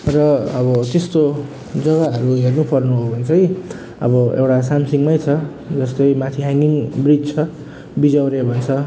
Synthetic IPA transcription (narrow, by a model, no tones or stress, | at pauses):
rʌʌβʌt̪est̪o | d͡zʌɣaɦʌɾuɦernupʌrnuɦobʱʌnt͡sʰʌj | ʌ̰bʌḛwʈasamsiŋmʌjt͡sʰʌ | d͡zʌst̪ʌjmãt̪ʰiɦaŋiŋbrid͡zt͡sʰʌ | bid͡zawɾebʱʌet͡sʰʌ